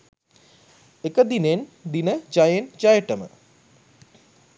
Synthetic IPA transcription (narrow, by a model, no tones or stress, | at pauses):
ekːɐd̪inend̪inɐd͡ʒɐjend͡ʒajɐʈːɐmə̰